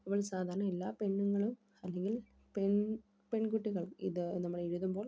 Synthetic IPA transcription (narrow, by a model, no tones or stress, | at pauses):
ɐʋɐɭsaːd̪aːɾɐnɐɛlːaːpɛɳːɯŋɡɐɭɯm | ɐlːɛŋɡɪl | pɛɳ | pɛɳkuʈːiɣɐɭɪ̰ðɨnɐmːɐɭɛɻɯðɯmboːl